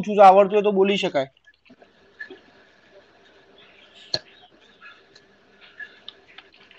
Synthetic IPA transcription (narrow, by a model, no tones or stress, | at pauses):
t͡ʃʰũd͡ʒoaʋəɾt̪uet̪oɓoliʃəkae